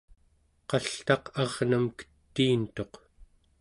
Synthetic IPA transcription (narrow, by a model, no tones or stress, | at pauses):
qɑɬt̪ɑqɑʁnamkə̥t̪ːiːnt̪o̞q